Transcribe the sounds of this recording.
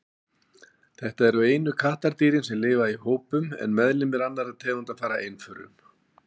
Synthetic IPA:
θɛht̪aɛɾʏeːjnʏkʰaht̪aɾt̪iːɾɪnsɛmlɪːvaihoːwpʏmɛ̰nmɛðlɪmːɛðanːaɾaðt̪ʰɛːɣunt̪aðfaːɾa̰ʔejnfʏɾʏ̰m

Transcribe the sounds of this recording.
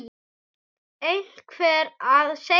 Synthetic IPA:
ejl̥kʰvɛːɾaðse

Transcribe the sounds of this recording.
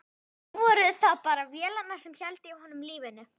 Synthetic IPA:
vɔːɾʏθaðpaːɾavjɛːlanːasɛmçɛlt̪ɪːhanːʏmliːvɪnːʏ

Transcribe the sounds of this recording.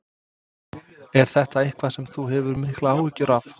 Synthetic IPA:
ɛɾ̥θɛht̪aehkvḁsɛmθuɦɛvʏɾmɪhklaaːwɪhcʏɾaf

